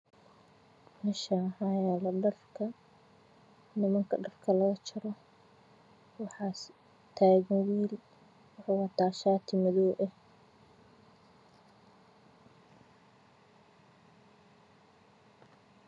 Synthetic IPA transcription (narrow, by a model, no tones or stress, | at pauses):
mɪʃɐhɑjaːlɐɖɐrkʰɐ | nɪmɐŋkʰɐɖɐrkʰɐlɐɣɐt͡ʃʰɪɾɔ | wɑħɑːs | t̪ʰaːɣmwil | wʊħɑwɑt̪ʰaːʃaːt̪ʰɪmɐðɔːʔɛh